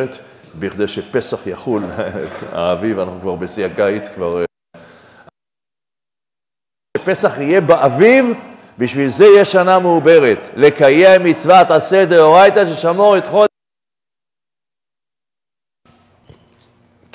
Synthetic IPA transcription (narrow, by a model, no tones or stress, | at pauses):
et̪biχd̪ejʃepesaχjaχul | a̰ːvivanaχnukvaʁbesiakajt̪kvaʁ | epe̞saχije̞baʔaviv | biʃvilzejeʃanameubeʁet̪le̞kajemmːit͡svat̪ased̪eoʁajt̪aʃeʃamoʁet̪χo